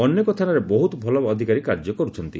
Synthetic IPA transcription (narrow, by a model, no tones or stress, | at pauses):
ɔnːjɔkɔt̪ʰanaɾebɔɦut̪ɔbʱɔlɔːd̪ʱikaɾikaɾd͡ʒɔkɔɾut͡ʃʰɔnt̪i